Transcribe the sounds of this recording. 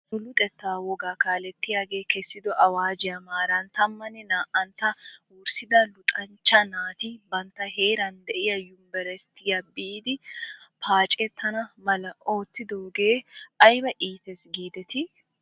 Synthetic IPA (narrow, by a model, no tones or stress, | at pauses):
ʊlʊt̪ʼɛt̪ːaːwɔɡaːkaːlɛt̪ːɪjaːɡe̞ːkɛsːɪd̪ɔʔɐwaːd͡ʒɪjɐmaːɾɐnt̪ɐmːɐnːɛnaːʔɐnt̪ɐ | ʊːɾsɪd̪ɐlʊt̪ʼɐnt͡ʃːɐnaːt̪ɪbɐnt̪ːɐɦe̞ːɾɐnd̪ɛʔɪjɐjʊmbɛɾɛst̪ːɪjɐbːiːd̪ɪpʰaːt͡ʃʼɛt̪ʰːɐnɐmɐlɐo̞ːt̪ʰːɪd̪oːɡeːʔɐjbɐʔiːt̪ɛsɡiːd̪ɛt̪ɪ